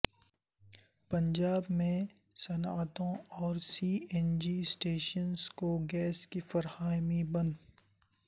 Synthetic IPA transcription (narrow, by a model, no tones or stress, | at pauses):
pɐ̃ɲd͡ʒaːbmẽ | sɐnaːt̪õɔːɾsiːɛnd͡ʒisʈeːʃənzkoɡɛːskifɐɾhaːmibɐn